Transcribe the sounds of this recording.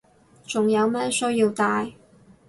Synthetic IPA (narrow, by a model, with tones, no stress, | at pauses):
t͡sʊ˨ŋjɐ˨˧wmɛː˥sɵ˥jiː˧wt̪aː˧j